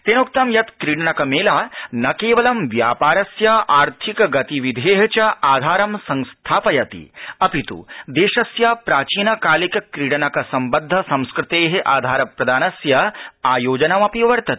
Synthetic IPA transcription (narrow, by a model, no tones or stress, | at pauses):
t̪eːnokt̪ɐmjɐt̪kɾiːɽɐnɐkɐmeːlaːnɐkeːʋɐlɐmʋjaːpaːɾɐsjɐʔaːɾt̪ʰikɐɡɐt̪iʋid̪ʱeːɦɐt͡ʃɐaːd̪ʱaːɾɐmsɐ̃ŋst̪ʰaːpɐjɐt̪ḭɐpit̪ṵd̪eːʃɐsjapɾaːt͡ʃiːnɐkaːlikɐkɾiːɽɐnɐkɐsɐmbɐd̪ʱːɐsɐ̃mskɾɪt̪eːɦeʔaːd̪ʱaːɾɐpɾɐd̪aːnɐsjɐaːjoːd͡ʒɐnɐmɐpiʋɐɾt̪ɐt̪i̥